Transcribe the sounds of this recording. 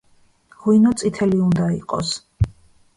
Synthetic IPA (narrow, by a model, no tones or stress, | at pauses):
ʁuinɔt̪sʼit̪ʰɛliund̪aḭqʼɔ̰s